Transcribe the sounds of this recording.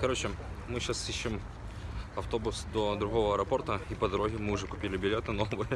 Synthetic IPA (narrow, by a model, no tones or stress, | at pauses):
kɐɾot͡ɕɪ | mɨɕasiɕːɪm | ɐft̪o̞bʊsd̪od̪ɾʊɣo̞vəɐɾɐpo̞rt̪əipəd̪ɐɾoɣʲɪmɨʊʐɛkʊ̥pʲilʲɪbʲɪlʲet̪ɨno̞vɨjə